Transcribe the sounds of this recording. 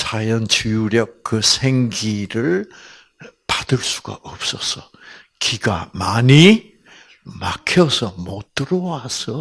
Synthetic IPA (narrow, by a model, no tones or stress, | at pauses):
t͡ɕajʌnt͡ɕijuɾjʌk̚kːɯsʰeŋɡiɾɯɭ | padɯɭs͈u̥ɡa̰ʔʌp̚s͈ʌsʰʌ | kʰiɡa̰maɲi | makʰjʌsʰʌmot͈ɯɾʌwasʰʌ